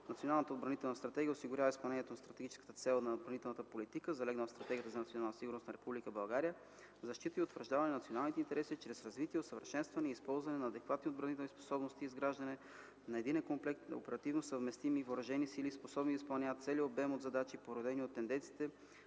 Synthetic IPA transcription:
nɐt̪sionalˠnət̪əod̪bɾɐnit̪ɛlˠnɐst̪ɾɐt̪ɛɡʲijəosiɡʊɾʲavəispɐlˠnɛnijɛt̪onɐst̪ɾɐt̪ɛɡit͡ʃɛ̥skə̥t̪ət̪sɛlˠnɐod̪bɾɐnit̪ɛlˠnət̪əpolit̪ikəzɐlɛɡnət̪st̪ɾɐt̪ɛɡʲijət̪əzɐnt̪sionalˠnt̪siɡʊɾnost̪nɐɾɛpublikəbɐlˠɡaɾijə | zɐʃt̪it̪əiot̪vəɾʒd̪avɐnɛnɐt̪sionalˠnit̪ɛint̪ɛɾɛsit͡ʃɾɛsɾɐzvit̪iɛot̪səvəɾʃɛnst̪vɐnɛispɔlˠzvɐnɛnɐːd̪ɛkvat̪niod̪bɾɐnit̪ɛlˠnispo̥sɔbnost̪iːzɡɾaʒd̪ɐnɛ | nɐɛd̪inɛnkomplɛkt̪o̰pɛɾɐt̪ivnosəvmɛst̪imivoɾɐʒɛnisilisposɔbnid̪ispɐlˠnʲjavət̪t̪sɛlʲiobɛmod̪zɐd̪at͡ʃipoɾod̪ɛniot̪ːɛnd̪ɛnt̪si̥t̪ɛ

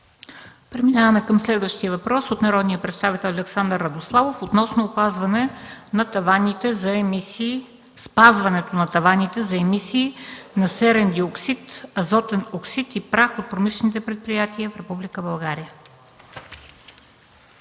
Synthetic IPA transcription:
pɾɛminavɐmɛkəmslɛd̪vəʃt̪iəvɐpɾɔsot̪nɐɾɔd̪nijəpɾɛt̪st̪avit̪ɛlˠɐlɛksand̪əɾːɐd̪oslˠavofot̪nɔsnoːpazvɐnɛnɐt̪ɐvanʲit̪ɛzɐmisi | spazvɐnɛt̪onɐt̪ɐvanit̪ɛzɐɛmisiːnɐsɛɾɛnd̪ioksit̪ɐzɔt̪ɛnoksit̪ipɾaxot̪̚pɾomislɛnit̪ɛpɾɛt̪̚pɾijat̪iəfɾɛpublikəbɐlˠɡaɾijə

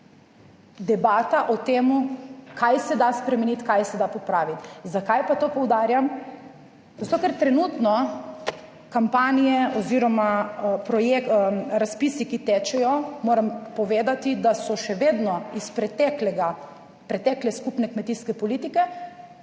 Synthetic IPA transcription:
d̪ɛbaːt̪aʔɔt̪eːmukʰajsɛd̪aspɾɛmɛnit̪kajsɛd̪apɔpɾaːʋit̪zakajpat̪oːpɔwd̪aːɾjam | zat̪okɛɾt̪ɾɛnut̪nɔ | kampaːnijɛɔziːɾɔmapɾɔjekɾaspisikit̪ɛt͡ʃɛjɔmoːɾampɔʋeːd̪at̪id̪asɔʃɛʋeːd̪nɔispɾɛt̪ɛklɛɡa | pɾɛt̪ɛːklɛskupnɛkmɛt̪iskɛpɔliːt̪ikɛ

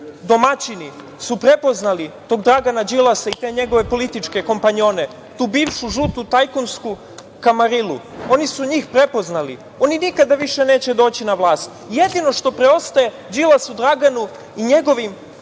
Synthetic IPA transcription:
d̪o̞mat͡ɕini | supɾe̞po̞znalit̪o̞ːɡd̪ɾaɡanad͡ʑilˠasait̪e̞ɲe̞ɡo̞ʋe̞po̞lit̪it͡ʃke̞ko̞mpaɲio̞ne̞ | t̪uːbiːʋʃuʒuːt̪ut̪ajkonsku | kamaɾiluo̞nisuɲiːxpɾe̞po̞znalḭ | o̞ninikad̪aʋiʃene̞ːt͡ɕe̞d̪o̞ːt͡ɕinaʋlˠaːst̪ | jed̪ino̞ʃt̪o̞pɾe̞o̞st̪aje̞ | d͡ʑilˠasud̪ɾaɡanu | iɲe̞ɡo̞ʋim

